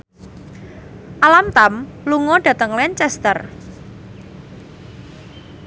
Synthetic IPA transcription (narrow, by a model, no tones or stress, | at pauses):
ʔalamt̪amluŋɔɖ̥ä̤t̪əŋlɛnt͡ʃɛst̪ər